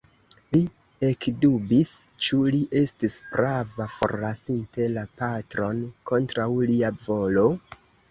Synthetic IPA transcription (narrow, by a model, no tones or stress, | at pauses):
li | e̞kdubist͡ʃuliʔe̞stisbɾavafo̞̰ɾlasinte̞lapatɾo̞nkʰo̞ntɾawliavo̞lo̞